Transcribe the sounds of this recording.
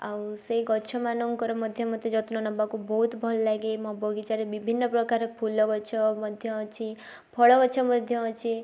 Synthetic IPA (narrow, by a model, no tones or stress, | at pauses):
a̰wseiɡɔt͡ʃʰɔmanuŋkɔɾɔmɔd̪ʱjɔmɔd̪jed͡ʒɔt̪nɔnɔbakubɔɦut̪bʱɔlɔlaɡemɔ̃bɔɡit͡ʃaɾebibʱinːɔpɾɔkaɾepʰulɔɡɔt͡ʃʰɔmɔd̪ʱjɔt͡ʃʰi | pʰɔɭɔɡɔt͡ʃʰɔmɔd̪ʱjɔt͡ʃʰi